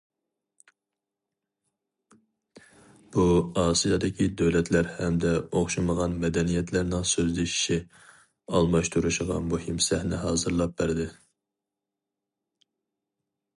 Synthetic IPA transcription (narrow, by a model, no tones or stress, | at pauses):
b̥uɑːsijɑd̪ɪkʲʰid̪øwlɛt̪ʰlæɾhɛmd̪ɛoχʃɑməʁɑnmɛd̪ɛnijɛt̪ʰlæɾnɪŋsøzlɪʃi̥ʃi | ɑlˠmɑʃt̪ʰuɾuʃɪʁɑ̰muhimsɛhnɪɦɑːzɨɾlˠɑp̚bæɾd̪ɪ